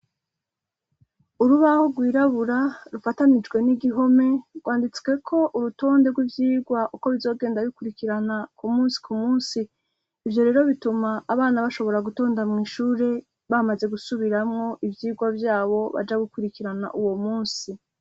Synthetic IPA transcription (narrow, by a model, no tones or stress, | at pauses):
uɾuβaho̞ɾɡwiːɾaβuɾaɾufatanid͡ʒɡwe̞niɡiɦo̞me̞ɡwaːndit͡swe̞kʰo̞ʔuɾuto̞ːnde̞ɡwivjiːɡwaʔuko̞βizo̞ːɡe̞ːndaβikuɾikiɾanakumuːnsi̥kʰumuːnsiː | vjo̞ɾe̞ːɾo̞βitumaːβaːnaβaʃo̞βo̞ɾaɡuto̞ːndamŋiːʃuːɾe̞ | βamaze̞ɡusuβiɾamŋo̞ʔivjiːɡwavjaːβo̞βa̰d͡ʒaɡikuɾikiɾana̰ʔuwo̞muːnsi